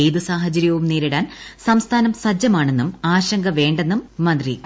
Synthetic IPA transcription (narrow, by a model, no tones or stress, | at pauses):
ejðusaːɦɐt͡ɕɐɾjɐʋumniːɾiɽaːnsɐmst̪ʰaːnɐmsɐd͡ʑɐmaːɳe̞nːumaːɕɐŋɡɐʋe̞ːɳɖe̞nːumːɐnd̪ri